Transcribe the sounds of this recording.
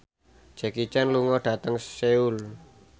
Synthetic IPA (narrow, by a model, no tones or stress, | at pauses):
d͡ʒ̥ɛ̤kit͡ʃanluŋɔɖ̥ä̤t̪əŋseul